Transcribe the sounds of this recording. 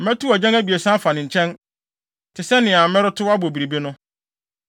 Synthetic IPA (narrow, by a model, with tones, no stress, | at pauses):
m̩˨mɛ̃˦tu˦a˨d͡ʑɛ̃˦ŋæ˦bi˨e˨sã˦fa˨nɪ̃˨ɲ̩˨t͡ɕʰɛ̃˦n | tʰɪ˨sɛ˦nɪ̃˨a˨˦mɪ̃˦ɾʊ˦tʰʊ˦a˦bo˨bi˨ɾi˨bi˦nʊ̃˦